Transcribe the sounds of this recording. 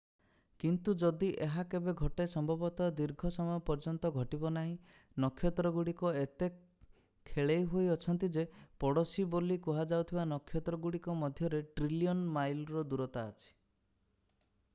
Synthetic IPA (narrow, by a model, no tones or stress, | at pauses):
kint̪ud͡ʒɔd̪iʔeɦakebeɡʱɔʈesɔmbʱɔbɔt̪ɔd̪iɾɡʱɔsɔmɔjɔpɔɾd͡ʒɔnt̪ɔɡʱɔʈibɔnaɦĩ | nɔkʰːjɔt̪ɾɔɡuɽikɔet̪e | kʰːeɭejɦoiɔt͡ʃʰɔnt̪id͡ʒepɔɽɔsibolikuɦad͡ʒawt̪ʰibanɔkʰːjɔt̪ɾɔɡuɽikɔmɔd̪ʱjɔɾeʈɾiliɔnmajlɾɔd̪uɾɔt̪aːt͡ʃʰi̥